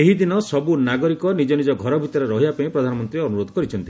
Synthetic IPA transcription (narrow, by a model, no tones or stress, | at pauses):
eɦid̪inɔsɔbunaɡɔɾikɔnid͡ʒɔnid͡ʒɔɡʱɔɾɔbʱit̪ɔɾeɾɔɦiapaĩpɾɔd̪ʱanɔmɔnt̪ɾiɔnuɾod̪ʱɔ̥kɔɾit͡ʃʰɔnt̪i